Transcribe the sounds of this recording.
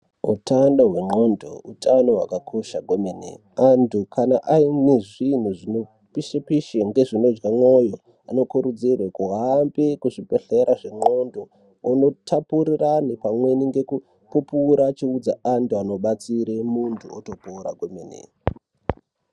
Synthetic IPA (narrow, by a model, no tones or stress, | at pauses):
ṵtanɗoɦwe̞ŋ͡ǃondo̰utʰano̞wa̰kakʰo̞ʃaɡʱo̞menḛ | antʰukʰanaʔaineʐin̤uʐino̞ | piʃepiʃeŋɡe̞ʐino̞d͡ʒɡamwo̞jo̞ | ano̞kuɾud͡zirwekuɦambekuʐipeɬeɾaʐe̞ŋ͡ǃo̞ndo̞ː | no̞tʰapuɾiranepamwe̞niŋɡe̞ku | pupuɾat͡ʃiud͡za̰antʰuano̞ɓat͡siɾemuntʰuoto̞poɾa̰ɡʱo̞menḛ